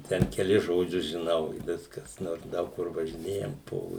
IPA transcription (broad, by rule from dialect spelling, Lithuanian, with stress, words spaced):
ˈtʲɛn kʲɛˈlʲɪs ʒoːˈd͡ʒʲʊs ʒʲɪˈnɐʊ ɪ ˈʋʲɪskɐs ˈnoːrs ˈdɐʊk kʊr ʋɐʒʲɪˈnʲeːjɛm ˈpoː